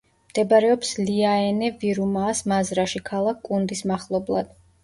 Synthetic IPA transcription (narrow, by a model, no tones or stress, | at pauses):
md̪̥ɛbaɾɛɔpsliaɛnɛviɾumaːsmazɾaʃikʰalˠakʰːʼund̪ismaχlˠɔblˠa̰d̪̥